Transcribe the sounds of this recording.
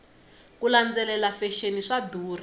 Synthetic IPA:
kuland͡zɛlɛlafɛʃeniʂaduːri

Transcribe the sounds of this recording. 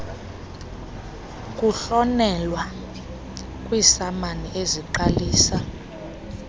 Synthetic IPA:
kʼuɬɔnɛlwa | kʼwisamanieziǃaliːsa

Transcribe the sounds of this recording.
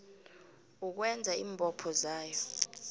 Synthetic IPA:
uk̬wɛnd͡zʱaiːmbʱʼɔpʰɔzaːjɔ

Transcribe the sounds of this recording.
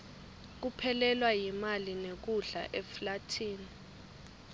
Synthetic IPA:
k̬upʰɛlɛlwajimalinek̬uɮa̰ʔɛflatʰiːni

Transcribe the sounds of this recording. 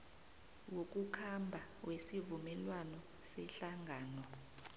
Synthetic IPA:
wok̬ʼukʰambʱawesivumɛlwanɔ | sɛɬaŋʱaːnɔ

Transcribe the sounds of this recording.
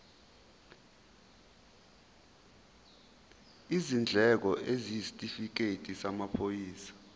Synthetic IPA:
izind͡ɮʱɛk̬ɔʔezisi̥tʼifik̬etʼisamapʰojiːsḁ

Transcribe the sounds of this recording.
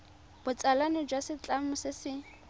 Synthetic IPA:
b̥ʊt͡sʼalanɪd͡ʒwasɪt͡ɬʼamʊsɪsɪ

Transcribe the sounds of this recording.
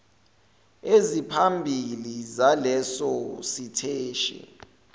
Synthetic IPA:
ezipʰambʱilizalɛsɔsitʰeːʃɛ̰

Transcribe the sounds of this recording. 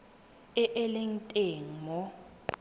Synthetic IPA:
ɪʔɛlen̩tʼeŋ̩mɔ

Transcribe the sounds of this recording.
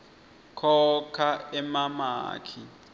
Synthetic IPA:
kʰɔkʰaɛmama̰ːkʰi

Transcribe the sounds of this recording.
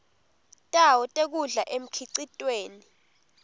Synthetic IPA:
tʼawɔtʼek̬uɮaʔem̩kʰiǀitʼweːni

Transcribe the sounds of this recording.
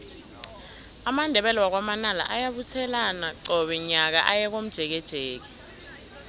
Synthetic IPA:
amandʱɛɓɛlwak̬wamanala̰ʔajaɓutʰɛlanaǃɔɓɛɲak̬a̰ʔajɛk̬om̩d̥ʒ̥ʱɛk̬ɛd̥ʒ̥ʱeːk̬ɛ̥

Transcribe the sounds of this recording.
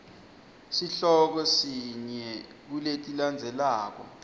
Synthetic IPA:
siɬɔk̬ɔsiɲɛ | k̬uletʼiland͡zʱɛlaːk̬ɔ̰

